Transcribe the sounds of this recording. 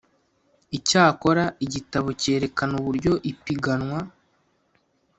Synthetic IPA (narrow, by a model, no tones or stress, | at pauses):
icaːko̞ɾaiɟitaβo̞ce̞ːɾe̞kanuβuɾɟo̞ʔipiɡanwa